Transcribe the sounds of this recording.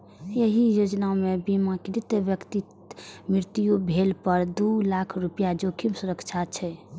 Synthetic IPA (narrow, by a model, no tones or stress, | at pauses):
jəɦijod͡ʒnaomebimãkiɾit̪ːəʋjəkt̪i | mɾiɾt̪ijubʱelpəɾd̪ulakʰɾupijad͡ʒokʰimsuɾəkt͡ʃʰat͡ʃʰɛ